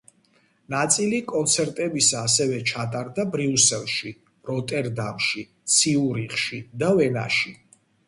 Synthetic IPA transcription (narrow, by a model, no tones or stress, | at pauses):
nat̪sʼilikʼɔnt̪sʰɛɾt̪ʼɛbisaːsɛvɛt͡ʃʰat̪ʼaɾd̪abɾiusɛlˠʃi | ɾɔt̪ʼɛɾd̪a̰mʃi | t̪sʰiuɾiχʃid̪avɛna̰ʃi